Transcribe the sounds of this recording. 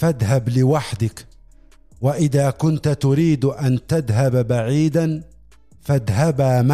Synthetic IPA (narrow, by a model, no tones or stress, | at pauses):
faðɦablɪwaħd̪ɪk | waʔɪðaːkʊnt̪t̪ʊɾiːd̪ʔant̪aðɦabbaʕiːd̪an | faðɦabaːma